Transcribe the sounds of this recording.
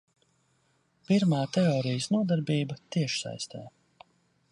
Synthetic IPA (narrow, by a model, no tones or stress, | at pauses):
piɾmaːt̪ɛɔːɾijəsnuɔd̪aɾbiːbɐt̪iɛʃsa̰jst̪ɛ̰ː